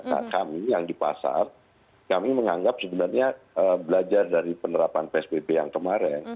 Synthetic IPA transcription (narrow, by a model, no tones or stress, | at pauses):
na̰kamijaŋdipa̰sa̰r | kamiməŋaŋɡap̚səbənarɲaəːbəlad͡ʒardaɾipənəɾapanpeɛsbebejaŋkəmaɾɛn